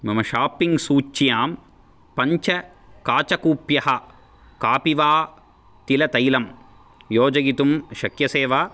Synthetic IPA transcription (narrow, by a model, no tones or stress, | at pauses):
mɐmɐʃaːpiŋɡsuːt͡ʃːjaːm | pɐɲt͡ʃɐ | kaːt͡ʃɐkuːpjɐɦɐ | kaːpiʋaː | t̪ilɐt̪ɐjlɐm | joːd͡ʒɐɡit̪umʃɐkjɐseːʋaː